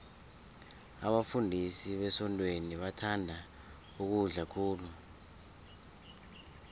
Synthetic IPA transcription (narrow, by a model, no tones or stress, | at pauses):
aɓafundʱisiɓɛsɔntʼweniɓatʰandʱa | uk̬uɮakʰuːlu